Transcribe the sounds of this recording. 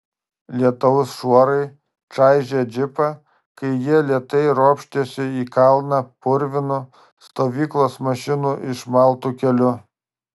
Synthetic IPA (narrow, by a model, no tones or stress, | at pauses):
lʲiɛt̪ɐʋʊsʃuɔɾɐɪ | t͡ʃɑˑɪʒʲed͡ʒʲɪpɐ | kɐɪjiɛlʲiɛt̪ɐɪɾoːpʲʃʲt̪ʲesʲɪiːkɐlˠnɐpʊɾʲʋʲɪnʊ | st̪oːʋʲiːklˠoːsmɐʃʲɪnuːʔɪʃmɐˑlˠt̪uːkʲɛlʲʊ